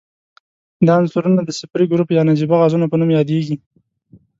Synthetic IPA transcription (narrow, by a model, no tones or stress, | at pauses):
d̪ɑansuɾunad̪əsɪpɾiɡʊɾupjɑnad͡ʒibaɣɑzunapənumjɑd̪eɡi